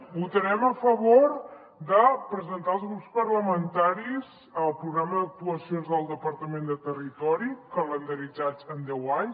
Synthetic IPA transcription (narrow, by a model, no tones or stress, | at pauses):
but̪əɾɛməfəβoɾ | d̪əpɾəzənt̪aəlˠzɣɾupspəɾləmənt̪aɾiz | əlˠpɾuɣɾaməðək̚t̪uəsionzðəlˠd̪əpəɾt̪əmend̪ət̪ərit̪ɔɾikələnd̪əɾid͡zat͡sənd̪ɛwaɲ